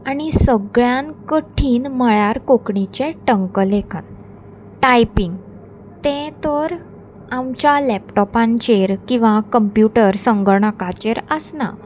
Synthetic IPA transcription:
aɽ̃isəɡɭjãnkəʈʰiːnməɭjaɾkokɳit͡ɕẽʈəŋkəlekʰən | ʈajpiŋɡ | t̪ɛ̃t̪əɾ | amt͡ɕjalɛpʈɔpãɲt͡ɕeɾkĩw̃ʋakəmpjuʈəɾsəŋɡəɭɳəkat͡ɕeɾəsna̰

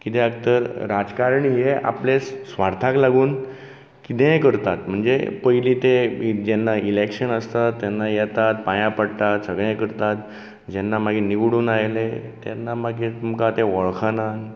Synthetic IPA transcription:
kit̪ẽəɡ̚t̪əɾɾad͡zkaɾɳijeʔa̰plessʋaɾt̪ʰaklaɡuːn | kit̪ẽkəɾt̪at̪m̤əɳd͡zḛpəjliːt̪ed͡ʑɛnːailekʂənəst̪at̪ːjɛnːajɛt̪at̪̚pajãpəɽt̪at̪səɡɭ̃kəɾt̪at̪̚ | d͡ʑɛnːamaɡʱiniʋɽuːnajlet̪ɛ̰nːamaɡiumkat̪ẽʋəɭkʰanan

